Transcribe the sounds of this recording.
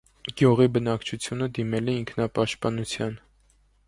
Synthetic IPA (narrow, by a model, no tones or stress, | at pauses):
ɡjuʁibənɑkt͡ʃʰut͡sʰjunəd̪imɛlɛiŋkʰnɑpɑʃt̪̚pɑnut͡sʰjɑn